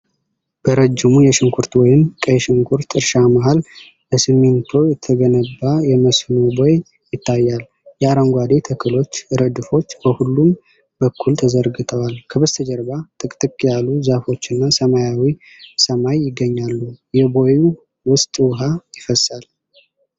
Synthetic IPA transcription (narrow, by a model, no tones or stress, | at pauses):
b̥əɾəd͡ʒːɪmujɛʃɪŋkʰuɾt̪wɔjɪmkʼəjɛʃɪŋkʰuɾt̪ʰɨɾʃamaɦal | bəsɨmːent̪ʰo̞jɛt̪ʰːəɡənəbːajɛməsnobo̞j | jɪt̪ʰːajːal | jɛaɾəŋɡʷad̪e̞t̪ʰəkʰəlo̞t͡ʃːɨɾəd̪ɨfo̞t͡ʃːbəhulːum | bəkʰːult̪ʰəzəɾɡɨt̪ʰəwalkʰəbəst̪ʰəd͡ʒəɾbat̪ʼɨkʼt̪ʼɨkʼjalːuzafo̞t͡ʃːɨnːasəmajawi | səmajːɪɡːəɲːalːujɛbo̞ju | wʊst̪ʼwʊɦajɪfəsal